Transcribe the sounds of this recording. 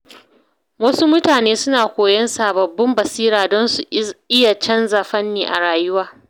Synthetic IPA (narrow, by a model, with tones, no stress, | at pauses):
wɐ˦su˦mʊ˦taː˨neː˦sʊ˦naː˨kʷoː˨jɐ˦nsaː˨bɐ˨bːɐ˦mbɐ˨siː˦ɾaː˨dɔ˦nsu˨ʔɪ˦ja˨t͡ʃɐ˦nza˨ɸɐ˦nːiː˨ʔa̰˨ɽaː˨jʊ˦waː˦